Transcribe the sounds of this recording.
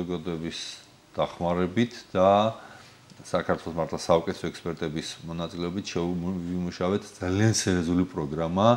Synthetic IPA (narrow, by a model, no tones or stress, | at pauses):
ɔɡad̪ɔɛbis | d̪̥aχmaɾɛbit̪ʰd̪̥a | sakʰaɾt̪ʰwɛlˠɔsmaɾt̪ʰlˠasaɔkʼɛt̪ʰɔɛkspʼɛɾt̪ʼɛbismɔnat̪sʼilɛɔbit̪ʰʃɛvimuʃavɛt̪ʰd̪z̥aliansɛɾiɔzulipʼɾɔɡɾama